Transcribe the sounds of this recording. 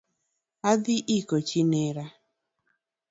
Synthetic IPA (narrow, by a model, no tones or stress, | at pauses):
ad̪ɪʔikot͡ʃinɛɾa